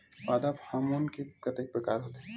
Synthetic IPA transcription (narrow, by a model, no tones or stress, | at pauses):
paːd̪aphaːmonkekɐt̪epɾəkaːɾɦoːt̪e